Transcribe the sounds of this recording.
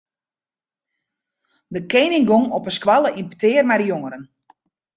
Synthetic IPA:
dəkejnɪŋɡoŋɔpəskwalˠəʔimpətɪːərmɛjdəjoŋəɾən

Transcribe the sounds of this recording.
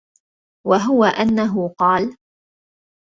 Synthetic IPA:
waɦʊwaʔanːaɦʊqɑːl

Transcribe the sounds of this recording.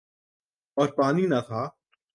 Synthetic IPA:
ɔːɾpaːninat̪ʰaː

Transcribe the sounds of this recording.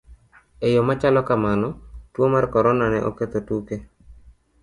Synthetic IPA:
ejomat͡ʃalɔkamanɔtwomarkɔɾɔnanɛʔo̰ket̪otuke

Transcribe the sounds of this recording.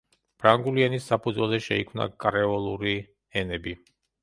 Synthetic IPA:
pʰɾaŋɡulianisːapʰud̪zwɛlˠzɛʃɛ̰ikʰmna̰kʼɾɛɔlˠuɾi | ɛnɛbi

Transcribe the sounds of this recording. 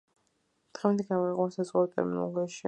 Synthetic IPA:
d̪̥ʁɛɛnd̪ɛɡamɔiqʼasazʁaɛt̪ʼɛ̰ɾmin̰ˠɡɛʃi

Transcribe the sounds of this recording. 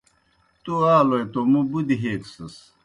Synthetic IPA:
t̪uaːlojt̪omubud̪iɦeːksɐs

